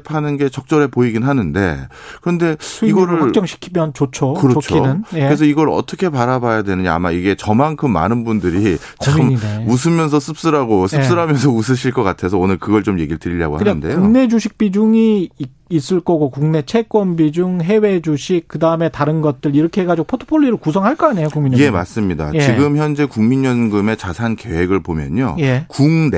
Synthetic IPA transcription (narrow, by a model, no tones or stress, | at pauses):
pʰanɯnɡe̞t͡ɕʌk̚t͡ɕ͈ʌɾe̞poiɡinɦanɯnde̞ | kɯɾʌnde̞uiɡʌɭɸakt͡ɕ͈ʌŋɕʰi̥kʰimjʌnt͡ɕot͡ɕʰokɯɾʌot͡ɕʰkoinɯneɾes̬ʰʌiɡʌɾɯʌ̰t͈ʰʌkʰe̞paɾabajadwe̞nɯɲaa̰maiɡe̞t͡ɕʌmaŋkʰɯmːa̰nɯnbundɯɾi | t͡ɕmineus̬ʰɯmjʌnsʰʌs͈ʰɯp̚s͈ɯɾaɡosʰɯs͈ɯɾamjʌnsʰʌus̬ʰɯɕ̬ʰiɭk͈ʌk͈atʰe̞sʰʌonɯɭkɯɡʌɭt͡ɕomje̞̰ɡiɭtɯɾiʎːa̰ɡo̰hakɯnaɯndejkouŋne̞d͡ʑuɕʰik̚p͈id͡ʑuŋiː | s͈ɯɭk͈ʌɡokuŋne̞t͡ɕʰe̞k͈wʌmbid͡ʑuŋɦe̞we̞d͡ʑuɕʰik̚k͈ːɯdaɯme̞taɾɯnɡʌt̚t͈ɯɾiɾʌkʰeɦeɡad͡ʑiɡopʰotʰo̥pʰoʎːiɾɯɭkusʰʌŋɦaɭk͈ʌaɲe̞jokuŋmiɲiema̰s͈ɯmɲida̰t͡ɕiɡɯmçjʌnd͡ʑe̞kuŋmiɲʌnɡɯme̞t͡ɕasʰanke̞we̞ɡɯɭpomjʌ̰ɲo̰jekuŋne